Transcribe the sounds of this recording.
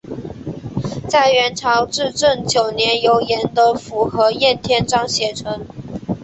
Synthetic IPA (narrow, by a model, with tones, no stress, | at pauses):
t͡sa˥˩ɪɥɛ˧˥nʈ͡ʂʰɑ˧˥ʊʈ͡ʂɻ̩˥˧ʈ͡ʂə˥˩nt͡ɕjo˨˩ʊnjɛ˧˥njo˧˥ʊjɛ˧˥nd̪ə˧fu˧˥xɤ˧˥jɛ˥˩nt̪ʰjɛ˥nʈ͡ʂɑ˥ŋɕjɛ˨˩ʈ͡ʂʰɤ˧˥ŋ